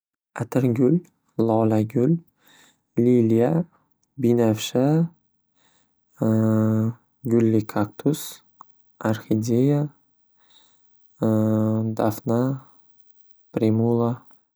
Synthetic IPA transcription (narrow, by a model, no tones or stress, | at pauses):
at̪ʰɪɾɡʲʊlʲ | lˠɒlaɡʲʊlʲ | lilija | binafʃa | ɡʲʊlːikʰak̚t̪ʰʊs | aɾxid̪ʲeja | d̪afna | pɾemulˠa